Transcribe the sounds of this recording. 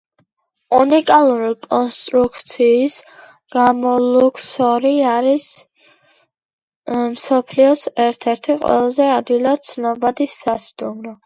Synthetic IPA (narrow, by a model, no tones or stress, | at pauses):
unikʼalˠuɾikʼɔnst̪ʼɾukʰt̪sʰiːs | ɡ̥amɔlukʰsɔɾiaɾis | msɔpʰliɔsɛɾt̪ʰɛɾt̪ʰiqʼwɛ̰lˠazɛad̪ilat̪sʰnɔbad̪isast̪ʼumɾɔ